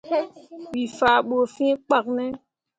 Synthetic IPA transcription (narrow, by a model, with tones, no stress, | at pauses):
ɓi˨faː˨ɓo˨fĩ˦k͡pa˨k̚nɛ˦